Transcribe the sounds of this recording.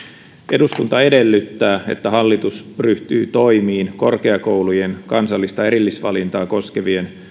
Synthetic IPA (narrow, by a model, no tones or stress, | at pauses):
ʔe̞duskunt̪ɑe̞de̞lːyt̪ːæːe̞̰t̪ːæɦɑlːit̪usryht̪y̰ːt̪o̞imiːnko̞rkeɑkowlujenkɑnsɑlːist̪ɑe̞ɾilːisʋɑlint̪ɑːkoskeʋie̞n